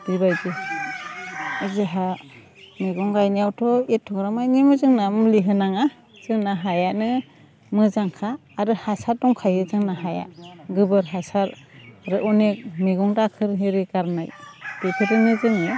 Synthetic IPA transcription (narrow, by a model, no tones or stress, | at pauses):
d̥iβajd͡ʒɯ | zeɦa | miɡɔŋɡajnijawtʰɔetʰɔɡɾamajnimɯzɯŋnamliɦɯnaŋa | z̥ɯŋnaɦajanɯ | mɯzaŋkʰaː | ɾɯhasaɾdɔŋkʰajɯzɯŋnaɦaja̰ɡɯbɯɾɦasaɾɾɯʔunek̚miɡɔŋdakʰɯɾɦiɾiɡaɾnajb̥epʰetɯnɯzɯŋɯ